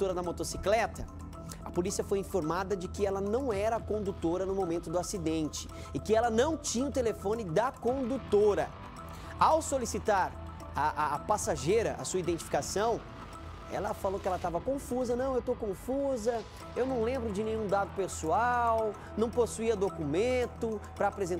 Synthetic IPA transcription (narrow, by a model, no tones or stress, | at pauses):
t̪oɾɐd̪ɐmot̪osi̥klɛt̪ɐ | ɐpolisiɐfojĩfoɾmad̪ɐd͡ʒɪkɪɛlɐnɐ̃w̃ɛɾɐkõnd̪ut̪oɾɐnʊmomẽnt̪ʊd̪ʊasid̪ẽnt͡ʃɪ̥ | ɪkɪɛlɐnɐ̃w̃t͡ʃĩɲɐʊt̪elefõnɪd̪ɐkõnd̪ut̪oɾɐ | awsolisit̪aɾ | aʔaːpasaʒejɾɐʔɐ̰suɐid̪ẽnt͡ʃi̥fi̥kasɐ̃w̃ | ɛ̰lɐfalowkɪɛlɐt̪avɐkõfuzɐnɐ̃w̃ewt̪okõfuzɐ | ewnɐ̃w̃lẽmbɾʊd͡ʒɪnẽɲ̃ũd̪ad̪ʊpesuaw | nɐ̃w̃posuiɐd̪okumẽnt̪ʊpɾɐːpɾezẽ